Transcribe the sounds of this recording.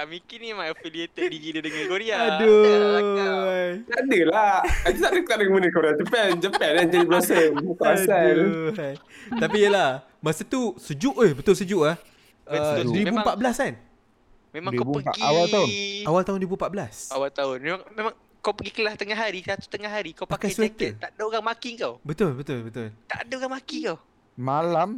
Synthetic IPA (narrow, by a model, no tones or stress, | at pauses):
amikinimaafiliet̪ək̚diɡidədəŋankoɾiaado | hajt̪adəlaadət̪adət̪adaŋbənəkoɾiad͡ʒəpɛnd͡ʒəpɛnad͡ʒadibəlasək̪aasaajt̪apijəlah | masat̪usəd͡ʒuʔəhbət̪ʊlsəd͡ʒuʔlah | ədɾibupaʔ̪̚bəlasan | mẽmãŋkawbupəɡiawalt̪aʊnawalt̪aɦʊndibumpaʔ̪̚bəlasawalt̪aʊnmemaŋmemãŋ | kawpəɡikəlaht̪əŋaɦaɾisat̪u̥t̪əŋaɦaɾikawpakaswt̪ət̪aʔdaoɣaŋmakiŋkawbət̪ʊlbət̪ʊlbət̪ʊt̪a̰ʔdaoɣaŋmakikaw | malam